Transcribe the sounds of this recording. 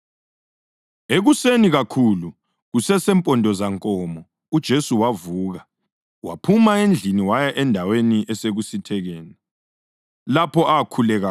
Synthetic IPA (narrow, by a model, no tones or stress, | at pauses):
eɣuseniɣakʰulu | ɣusɛsɛmpʼɔndʱɔzaŋkʼɔːmɔ | ud̥ʒ̥ʱesuwavuːɣa | wa̰pʰumaend͡ɮʱiniwajaʔɛndʱaweniʔɛseɣusitʰɛɣɛːnɛ | lapʰɔʔakʰulɛɣa